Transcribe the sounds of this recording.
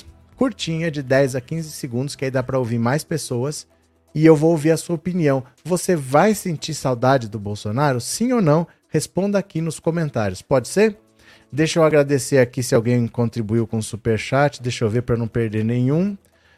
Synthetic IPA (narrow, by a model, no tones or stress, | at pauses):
kuɾt͡ʃĩɲɐd͡ʒɪd̪ɛjzɐkĩzɪseɡũnd̪ʊskɪaid̪apɾɐowviɾmajspesowɐs | ɪewvowoviɾɐsuɐopiniɐ̃w̃ | vosevajsẽnt͡ʃiɾsawd̪ad͡ʒɪd̪ʊbowsonaɾʊsĩonɐ̃w̃ | hespõnd̪ɐakinʊskõmẽnt̪aɾjʊspɔd͡ʒɪseɾ | d̪ejʃewaɡɾad̪eseɾakisɪawɡẽj̃kõnt̪ɾibuiwkõsupeɾʃat͡ʃɪ̥d̪ejʃeoviɾpɾɐnɐ̃w̃peɾd̪eɾnẽɲ̃ũ